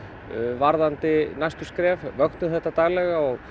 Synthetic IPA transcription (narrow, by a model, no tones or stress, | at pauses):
vaɾðant̪ɪnajst̪ʏskɾɛːvvœknʏθɛht̪ːat̪aːɣlɛɣaɔɣ